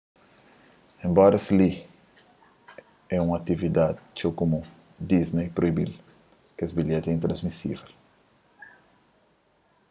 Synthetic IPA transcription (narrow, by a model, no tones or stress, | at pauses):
ẽmbɔɾɐsli | ɛũŋɐt̪ivid̪ad̪t͡ʃokumu | d̪iznejpɾoibḭl | kezbiʎɛt̪ĩnt̪ɾɐ̃zmisḭvel